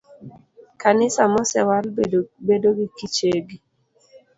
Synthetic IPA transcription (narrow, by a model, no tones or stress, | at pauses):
kanɪsamɔsɛ̰walbedoɡikit͡ʃeɡi